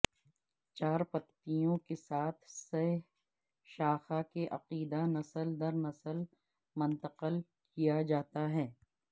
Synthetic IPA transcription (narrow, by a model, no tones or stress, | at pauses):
t͡ʃaːɾpɐt̪ːijõkesaːt̪ʰse | ʃaːxakeʔɐqiːd̪anɐsəld̪ɐɾnɐsəl | mɐ̃nt̪əqəl | kijad͡ʒaːt̪aɦɛː